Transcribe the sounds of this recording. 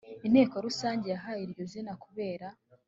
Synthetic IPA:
in̥he̞ːkoɾusaːɲɟejaɦajiɾɟo̞zinakuβe̞ːɾa

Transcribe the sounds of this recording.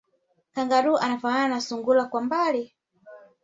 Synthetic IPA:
kaŋɡaɗuʔanafanananasuŋɡulakwambali

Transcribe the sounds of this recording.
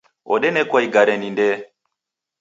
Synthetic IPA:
ɔ̰ɗɛnɛkwaiɡaɾɛnindɛ

